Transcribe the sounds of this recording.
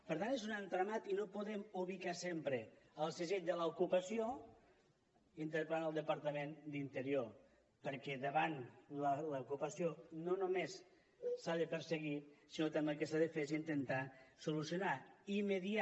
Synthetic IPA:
pəɾt̪anezunant̪ɾamat̪inopuðɛmuβ̞ikasempɾeəlˠsəzeʎd̪ələukupəsio | int̪əɾpanəlˠd̪əpaɾt̪əmend̪int̪əɾio | pəɾkɛðəβanlələukupəsjononumesː | aðəpəɾsəɣit̪sinot̪əmekəsaðəfezint̪ənt̪asulusjunaiməðia

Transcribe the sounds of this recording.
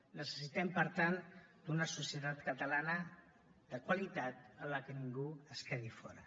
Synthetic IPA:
nəsəsit̪ɛmpəɾt̪and̪̥unəsusjət̪at̪kət̪əlanə | d̪əkwalit̪at̪ələkəniŋɡuəskɛðifɔ̰ɾə̰

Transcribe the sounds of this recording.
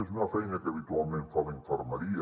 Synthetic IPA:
es̬unafejnakeaβit̪ualmẽnfaβiɱfoɾmaɾi

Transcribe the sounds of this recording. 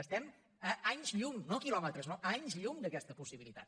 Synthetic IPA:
əst̪ɛm | əaɲzʎuŋnokilɔmət̪ɾəznoʔaɲzʎuŋd̪əkɛst̪əpusiβilˠit̪a̰t̪̚

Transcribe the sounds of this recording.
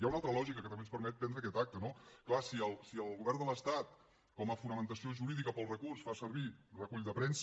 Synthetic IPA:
jaunalˠt̪ɾəlɔʒikəkət̪əmenspəɾmɛt̪̚bɛnd̪ɾəkɛt̪ak̚t̪ənoklasiəlˠsiəlˠɣuβɛrnd̪ələst̪at̪̚ | kɔməfunəmənt̪əsioʒuɾiðikəpəlˠrəkursfasəɾβirəkuʎd̪əpɾɛns

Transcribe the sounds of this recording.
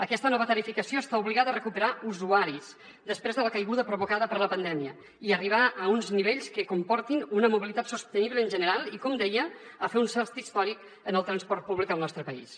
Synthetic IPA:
əkɛst̪ənɔβət̪əɾifikəsioəst̪auβliɣaðərəkupəɾauzuaɾiz | d̪əspɾezðələkəjɣuðəpɾuβ̞ukaðəpəɾləpənd̪ɛmiə | iəriβ̞aʔəunzniβeʎskəkumpɔɾt̪inunəmuβilit̪at̪sust̪əniβləːnʲʒənəɾalˠikɔmd̪ɛjəː | feunsɛlˠst̪ist̪ɔɾik | ənəlˠt̪ɾənspɔrt̪̚puβlikəlˠnɔst̪ɾəpəḭs

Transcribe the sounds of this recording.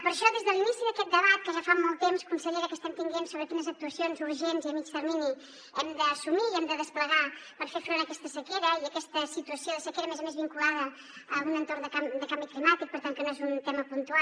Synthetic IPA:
pəɾʃɔðezðəlinisiðəkɛt̪̚d̪əβ̞at̪̚kəʒafamɔlˠt̪emskunsəʎeɾəkəst̪ɛmt̪iŋɡensoβɾəkinəzək̚t̪uəsionzuɾʒenziəmit͡ʃt̪əɾmini | ɛmd̪əːsumiɛmd̪əðəspləɣapəɾfefɾonəkɛst̪əsəkeɾəiəkɛst̪əsit̪uəsioðəsəkeɾəmɛzəmezβiŋkulaðə | əunənt̪ornd̪əkamd̪əkambiklimat̪ik̚pəɾt̪aŋkənoezunt̪ɛməpunt̪ua

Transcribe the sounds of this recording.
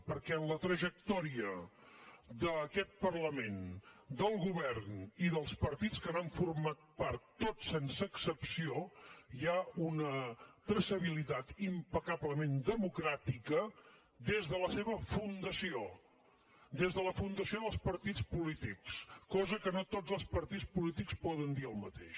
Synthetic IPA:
pəɾkɛənlət̪ɾəʒək̚t̪ɔɾiə | d̪əkɛt̪̚pərləmend̪əlˠɣuβɛrniðəlˠspəɾt̪it͡skənaɱfurmat̪̚paɾt̪ːosensəːksəpsiojaunət̪ɾəsəβ̞ilit̪at̪impəkaβləmend̪əmukɾat̪ikə | d̪ezðələseβəfund̪əsio | d̪ezðələfund̪əsioðəlˠspəɾt̪it͡spulit̪ikskɔzəkənot̪od͡zzəlˠspəɾt̪it͡spulit̪ikspɔðənd̪iəlˠmət̪ḛʃ

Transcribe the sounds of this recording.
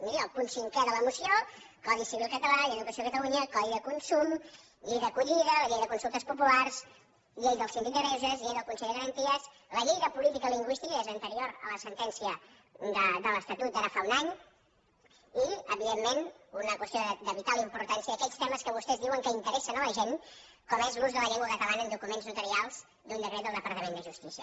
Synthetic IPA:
miɾːlˠpunsiŋkɛðələmusio | kɔðisiβilˠkət̪əlaiəðukəsiokət̪əluɲəkɔðiðəkunsum | ʎejðəkuʎiðələʎejəðəkunsulˠt̪əspupularz | ʎejðəlˠsind̪it̪əɾɛzəzʎejðəlˠkunsɛʎd̪əɣəɾənt̪iəz | ləʎejðəpulit̪ikəliŋɡwist̪ikəezənt̪əɾioɾə̰ləsənt̪ɛnsiə | d̪əd̪ələst̪ət̪ut̪̚əɾafaunaɲ | iəβiðemːenunəkwəst̪ioðəd̪əβit̪aləimpuɾt̪ansiəðəkɛst̪ɛməskəβust̪ɛzðiwəŋkəint̪əɾɛsənələʒenkɔmezluzðələʎɛŋɡwəkət̪əβanənd̪ukumenznut̪əɾialˠz̥ | d̪und̪əkɾɛðəlˠd̪əpəɾt̪əmend̪əʒust̪isiə

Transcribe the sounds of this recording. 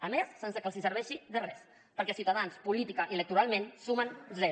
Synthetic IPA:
əmesːensəkəlˠsisəɾβɛʃiðərɛs | pəɾkɛsiuwt̪aðanspulit̪ikəʔiələk̚t̪uɾalˠmensumənzɛ

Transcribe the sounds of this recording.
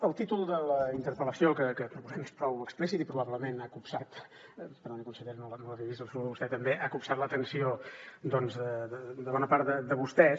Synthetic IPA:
əlˠt̪it̪ulˠd̪ələint̪əɾpələsiokəkəpɾupuzɛmespɾɔwəksplis̬it̪ipɾuβaβləmenakupsat̪pəɾnɔnikunsəʎeɾnolənoləriβizəlˠsəluðəβust̪ɛt̪əmbeʔakupsat̪lət̪ənsiod̪ɔnzðəəd̪əβɔnəpaɾt̪əd̪əβust̪ɛ

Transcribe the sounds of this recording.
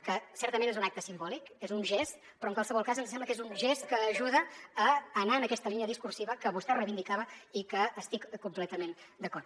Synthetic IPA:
kəsɛɾt̪əmẽnezunakt̪əsimbɔlikezunʒɛst̪ | pɾɔŋkwalˠsəβɔlˠkazənzssɛmbləkezunʒɛst̪kəːʒuðəː | naənəkɛst̪əlˠiniəðiskursiβəkəβust̪ɛrəβind̪ikaβəikəːst̪ikkumplɛt̪əmend̪əkɔrt̪

